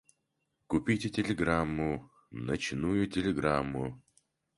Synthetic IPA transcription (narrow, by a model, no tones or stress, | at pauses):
kʊpʲitʲɪtʲɪlʲɪɡɾamːʊ | nɐt͡ɕnujʊtʲɪlʲɪɡɾamːʊ